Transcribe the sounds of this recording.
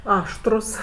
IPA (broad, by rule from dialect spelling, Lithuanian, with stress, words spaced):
ˈɑːʃtrʊs